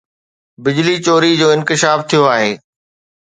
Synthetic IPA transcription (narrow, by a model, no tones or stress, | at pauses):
bɪd͡ʑlit͡ɕoːɾid͡ʑoːɪ̃nkɪʃaːft̪ʰijoaːɦeː